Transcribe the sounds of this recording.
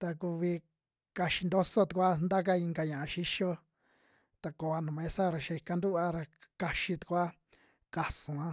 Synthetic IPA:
t̪a˧ku˧βi˧ | ka˧ʃi˧nd̪o˦so˦t̪u˧kʷa˦nd̪a˦k̬a˦i˧ŋɡa˧ɲã˨ʔa˨˧ʃi˦ʃo˦ | t̪a˧ko˨a˧nũ˨mẽ˦sa˦ɾa˧ʃa˧i˧ka˧nd̪u˦ʔa˧ɾa˧ka˧ʃi˧t̪u̥˧kʷa˦ | ka˨sũ˨ã˦

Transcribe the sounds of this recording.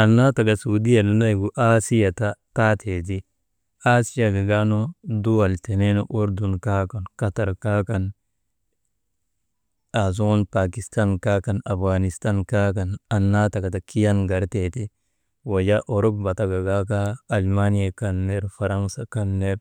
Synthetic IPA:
a˨nːa˦ta˨ɡa˨su˨di˦a˨nu˨˦na˦iɡu˨ʔa˦si˦ja˨tata˦tʰe˨t̬i˦ | a˦si˦ja˨ɡa˨ɡa˦no˦du˦wa˨lte˨ne˦no˦ʔu˦ɾdu˨nka˦ka˨nka˦ta˨ɾka˦kan | a˨z̬o˦npa˨ki˨sta˦nka˦ka˨na˨fɡani˨sta˦nka˦ka˨na˨nːa˦ta˨ɡa˨ta˨ki˦ja˦nɡa˨ɾteti˦ | wa˨ja˦ʔo˨ɾo˦bba˨ta˨ɡa˨ɡa˦kaː˦˨lma˦nija˨ka˦nːe˦ɾfa˨ɾa˦ŋsa˨ka˦nːe˦ɾ

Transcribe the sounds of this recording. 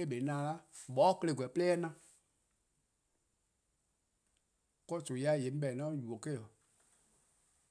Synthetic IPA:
e˦ɓe˨i˨˦nãː˨˦la˦ɓɔ˨˦kə˧le˧˨ɡʷwɛ˨plɛː˦nã˦˧˨ | kɔ˦so˨ja˦˨je˨m̩˦ɓɛ˨nɔ̃˦ju˨o˨ke˦˨ɔ˨

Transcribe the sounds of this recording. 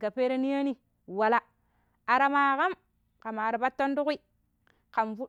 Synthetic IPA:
ɡa˨pe˦ɾe˦ni˦ja˦ni˦ | wa˨la˦ | a˨ɾa˨ma˨ka˦m | ka˨ma˨ɾa˨ba˦tːo˦n˦du˦ki˦ | ka˨mvu˦

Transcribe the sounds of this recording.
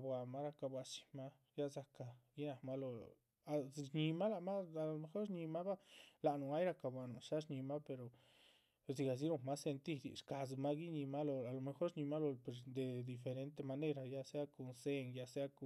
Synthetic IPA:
bwa˨ma˦ɾa˧ka˧bwa˧t͡ʃi̥˧ma˦ | ja˦za˧ka˨ɡi˦na˨ma˦lo˧ | a˧ɲi˧ma˦la˨ma˦a˨lo˨me˧xo˦ɾɲi˧ma˦ba˦la˨nu˨a˦jɾa˧ka˨bʷwa˨no˨ʃa˦ʂɲi˧ma˦pe˧ɾo˨ | si˧ɡa˨z̬i˦ɾo˧ma˦se˧nt̪i˦d̪ḭ˨ʂka˨z̬ma˦ɡi˦ɲi˧ma˦lo˧a˨lo˨me˧xo˦ɾɲi˧ma˦lo˧pe˨ɾd̪e˨d̪i˨fe˧ɾe˦nt̪e˧ma˧ne˦ɾa˧˨ja˧se˦a˦ko˧nse˦ŋja˧se˦a˦ku˧

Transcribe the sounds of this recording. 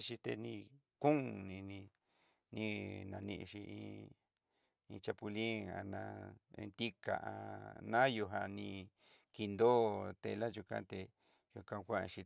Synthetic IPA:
ʃi˧t̪e˧nĩ˧ | kũ˦ŋnĩ˧nĩ˧ | nĩ˧nã˧nĩ˧ʔʃi˧ḭ̃˧ | ĩ˧t͡ʃa˧pu˧li˦a̰˧nã˧ḛ̃˧nt̪i˦ka̰˨ʔa˧nã˦jo˧ɦa˧nĩ˧ | ki˧nd̪oː˦t̪ḛ˧la˦ʒu˧kã̰˧˦t̪e˧ | ju˧kã˧kʷã˦˧ʃi˧

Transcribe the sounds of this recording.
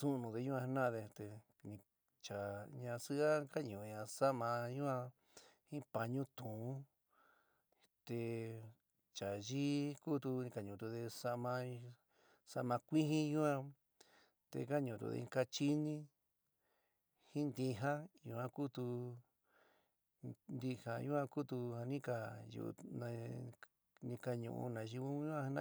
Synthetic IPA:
sũ˦˧nũ˨˧ðe˧ɲũ˦ã˧˦nã˦˧ðe˧t̪e˧ | nĩ˧ | t͡ʃa˨ɲã˧sɨ˦ʔa˦ka˦ɲũ˨˧ɲã˧sa˦ʔmã˧jũ˦ã˧ | hĩ˦pa˧ɲũ˦t̪ũ˨˦ | t̪e˧ | t͡ʃa˨ʒi˦ku˦t̪u˧ĩ˧ka˨ɲũ˨t̪̬u˧ðe˧sa˧ʔmã˧ | sa˧mã˧kʷi˦ɦĩ˦jũ˦ã˧ | t̪ḛ˧ka˦ɲũ˨t̪ṵ˧ðḛ˧ka˧t͡ʃi˦nĩ˦ | hĩ˦nd̪ĩ˧ɦã˦ju˧ã˧ku˦t̪u˧ | nd̪i˧ha˧jũ˦ã˧ku˦t̪u˧ha˧nĩ˦ka˨jṵ˧nã˧ | nĩ˧ka˧ɲṵ̃˧˨ʔṵ̃˧nã˨˧ʒi˧ũ˦ũ˦ã˧nã˧

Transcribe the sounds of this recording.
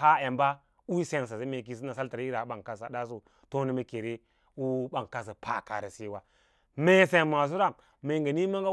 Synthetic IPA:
a˦e˨mba˦ | u˦se˦ns̬a˨se˦me˨k̬i˨s̬i˦na˨sa˦lta˨ɾi˦ɾa˨˦ɓa˨ŋka˨sa˨da˦s̬u˦ | to˦ni˦me˦ke˨ɾe˦ | u˦ɓa˨ŋ˨ka˨s̬a˨pʰa̰˨ka̰˨ɾḛ˨se˦wa˨ | me˦se˨ma˨s̬u˦ɾa˨ | me˨ŋɡe˨ni˦ma˦ŋɡa˦

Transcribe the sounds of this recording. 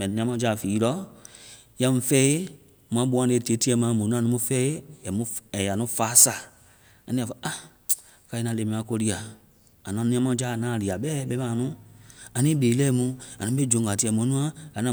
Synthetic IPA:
mɛ̃˨nĩ˨˧ã˦mã˦d͡ʒa˨fiː˨˦lɔ˨˦ | ja˧mũ˧fɛ˦e˦ | mũ˧ã˦ɓu˧˦ã˦e˧˨te˨˦ti˧˦ɛ˧˦mã˨˦mõ˨nũ˦ã˦nũ˦ũ˦fɛ˦e˦jɛ˨mũ˧˦ɛ˨ja˨nũ˦faː˨˦saː˨ | a˨nĩ˦a˨fa˧˨a˦ | ka˧i˧nã˧le˨mĩ˨˦ã˧˦ko˧li˧˦a˨ | a˨nã˨˦nĩ˦ã˦mã˧˦d͡ʒaː˦˨nãː˨˦˨li˨a˨ɓɛ˦ɓɛ˦mãː˨˦˨nũ˦a˨nĩ˦ɓe˨˦lɛ˦mũ˧˦a˨nũ˨˦ɓe˦d͡ʒõ˨ŋɡa˨ti˦˧ɛ˨mõ˨˦nũ˦ã˦a˨˦nã˨

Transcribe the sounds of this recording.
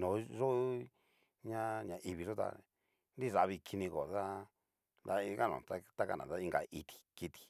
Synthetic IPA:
nõ˨˦ʐo˦ | ɲã˦ɲã˨ʔi˧βi˧ʐo˦t̪a̰˧ | nd̪i˦˨ʐa˨˧βi˧kʰi˧nĩ˧ko˨ða˦ | d̪a˦i˧ka˦nõ̰˨t̪a˦t̪a˦ka˦nã̰˨ða˦i˧ŋɡa˧i˧t̪ʰi̥˨ki˧t̪i̥˨

